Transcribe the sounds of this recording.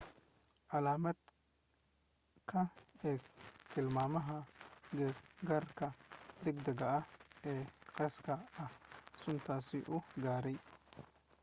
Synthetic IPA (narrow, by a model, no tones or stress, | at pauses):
ʕalaːmɐd̪ | kʰɐɛːt̪ʰɪlmaːmɐɦɐɡɛɡarkʰɐd̪ɛɡ̚d̪ɐɡɐɐɛːqɛskʰɐɐhsʊnt̪ʰaːsɪʔʊɡaːɾɛj